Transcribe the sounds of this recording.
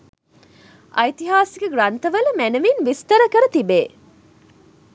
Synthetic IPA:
ʔɐjt̪iɦaːsiɡeɡɾɐnt̪ɐʋɐlɐmænɐʋinʋist̪ɐɾɐkɐɾɐt̪ibeː

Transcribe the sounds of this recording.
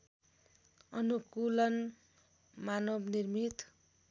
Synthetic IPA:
ʌnukulʌn | manʌbnirmit̪

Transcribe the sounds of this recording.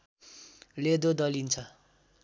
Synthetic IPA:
led̪od̪ʌlint͡sʰʌ

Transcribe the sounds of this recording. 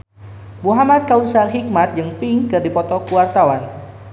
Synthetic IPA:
muɦamat̪̚kausarɦik̚mat̪̚d͡ʒɨŋfiŋkɨrdipɔt̪ɔkuwart̪awan

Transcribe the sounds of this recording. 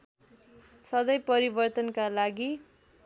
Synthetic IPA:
sʌd̪ʌjpʌɾibʌrt̪ʌnkalaɡi

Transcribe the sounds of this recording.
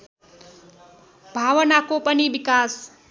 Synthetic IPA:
bʱaːʋənakopəniʋɪkaːs

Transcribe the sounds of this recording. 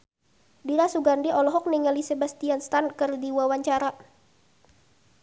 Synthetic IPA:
diɾasuɡandiʔɔlɔɦɔk̚niŋɛlisebast̪ianst̪ankɨrdiwawaɲt͡ʃaɾa

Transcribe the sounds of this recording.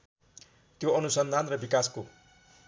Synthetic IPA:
t̪joʌnusʌnd̪ʱanrʌbikasko

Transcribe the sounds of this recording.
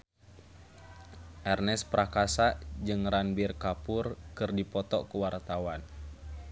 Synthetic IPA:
ʔɛrnɛspɾakasaʔd͡ʒɨŋɾanbirkapʊrkɨrdipɔt̪ɔ̰kuwart̪awan

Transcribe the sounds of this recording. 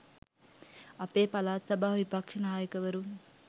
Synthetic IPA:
ɐpeːpɐlaːt̪sɐbʱaʋipɐkʂɐnɐɦaːjɐkɐʋɐɾu

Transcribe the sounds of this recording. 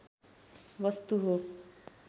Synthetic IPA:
bʌst̪uɦo

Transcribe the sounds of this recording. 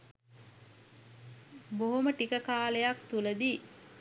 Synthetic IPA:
boɦuməʈikəkaːlejakt̪ulɐd̪iː

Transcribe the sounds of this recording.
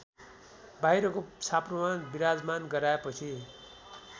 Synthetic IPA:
bajɾʌkosapromanbiɾad͡zmanɡʌɾaepʌt͡sʰi

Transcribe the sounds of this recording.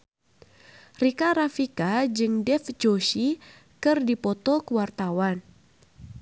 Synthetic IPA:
rikaɾafikad͡ʒɨŋdɛfd͡ʒoʃi | kɨrdipɔt̪ɔkəwart̪awan

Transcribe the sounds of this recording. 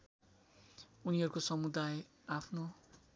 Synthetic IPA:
uniɦʌɾukosʌmud̪aj | apʰno

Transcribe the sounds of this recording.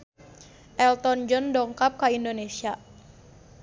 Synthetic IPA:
ʔɛlt̪ɔnd͡ʒɔndɔŋkap̚kaindonesia

